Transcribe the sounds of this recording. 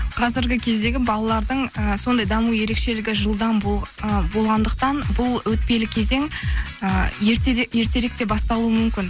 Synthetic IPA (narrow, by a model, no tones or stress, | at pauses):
qʰɑzɪɾɡʲɪkʲʰezd̪e̞ɡʲɪbɑlˠɑlˠɑɾd̪əɴəso̞nd̪ɑjd̪ɑmuje̞ɾe̞kʃe̞lɪɡʲɪʒəlˠd̪ɑnbo̞lˠʁɑnd̪əq̚t̪ɑnbʊlˠwɵt̪̚pe̞lɪkʲʰe̞ze̞ŋəet̪je̞ɾt̪e̞ɾek̚t̪e̞bɑst̪ɑlˠuəmʏmkʲɪn